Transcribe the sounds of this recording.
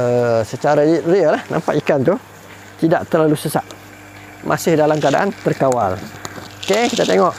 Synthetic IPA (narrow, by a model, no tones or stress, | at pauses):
əsət͡ʃaɾalit̪ɾiəlahna̰mpa̰ʔikant̪u | t̪idaʔt̪ərlalusəsaʔ | mʔa̰sɪhdalamkəada̰ʔant̪ərkawa̰lokekit̪at̪eŋɔʔ